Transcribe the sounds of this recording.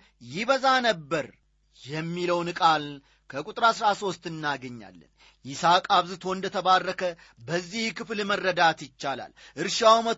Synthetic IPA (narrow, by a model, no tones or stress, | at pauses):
jɪβəzanəbːəɾ | jɛmːiləwnkʼal | kʰəkʼut̪ʼɾasɾaso̞st̪ɨnːaɡəɲːa̰lːə̰n | jɪsakʼaβzɨt̪ʰo̞nd̪ət̪ʰəβarːəkʰə | bəzːihkʰɨflmərːəd̪at̪jɪt͡ʃːala̰lʔɨɾʃawmət̪